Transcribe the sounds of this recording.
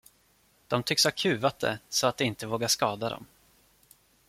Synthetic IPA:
d̪̥ɔmt̪ʰʏkshakʰʉ̟ːvat̪̚d̪ɛ̰sɔat̪̚d̪ɛɪnt̪əvoːɡaʂkɑːd̪ad̪ɔ̰m

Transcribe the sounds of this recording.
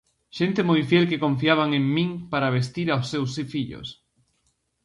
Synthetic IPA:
ʃent̪emojfjɛlkekõɱfiaβ̞aŋẽŋmĩŋpaɾaβ̞est̪iɾawsːewsifiʎo̰s

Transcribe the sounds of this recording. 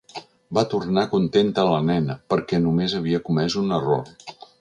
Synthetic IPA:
bat̪urnakunt̪ent̪əːlənɛnəpəɾkɛnumezəβ̞iəkumɛzunəro̰r

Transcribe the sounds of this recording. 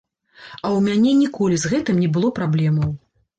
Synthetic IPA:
ɐwmʲanʲɛnʲikɔlʲizɣɛt̪ɨmnʲɛbɨlˠɔpɾablʲɛmɐw

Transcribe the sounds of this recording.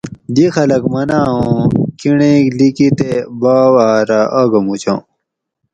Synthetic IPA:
d̪ixɐlɐkmɐnaːɦõkiɳẽːklikit̪ebaːwaːɾaʔaɡɐmut͡ɕã

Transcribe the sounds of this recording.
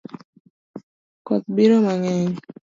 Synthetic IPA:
kɔt̪̚biɾomaŋɛɲ

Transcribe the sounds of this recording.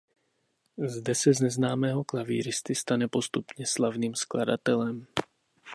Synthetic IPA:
zd̪ɛsɛzɲɛznaːmɛːɦɔklavḭːɾist̪ist̪aɲɛpost̪upɲɛslavniːmsklada̰t̪ɛlɛm

